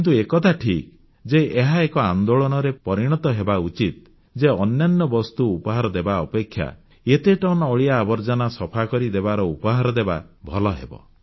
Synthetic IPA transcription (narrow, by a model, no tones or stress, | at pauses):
nt̪̬uekɔt̪ʰaʈʰik | d͡ʒeʔeɦaekɔand̪oɭɔñɔɾepɔɾiɽ̃ɔt̪ɔɦebaut͡ʃit̪̚ | d͡ʒeɔnjanːɔbɔst̪uupɔɦaɾɔd̪ebaɔpekʰːja̰ | et̪eʈɔnɔɔɭiaːbɔɾd͡ʒɔnasɔpʰakɔɾid̪ebaɾɔupɔɦaɾɔd̪eba̰bʱɔlɔɦḛbɔ̰